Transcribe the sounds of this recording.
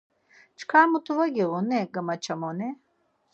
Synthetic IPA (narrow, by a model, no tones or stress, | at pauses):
t͡ʃʰkʰamut̪ʰuvɐɡeʁunɛɡɐmɐt͡ʃʰɐmɔnɛ